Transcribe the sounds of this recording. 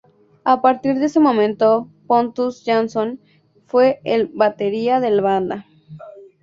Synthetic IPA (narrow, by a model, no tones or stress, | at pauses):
apaɾt̪iɾðeesemõmẽnt̪opont̪usʝanson | fweːlβat̪eɾiaðelaβand̪a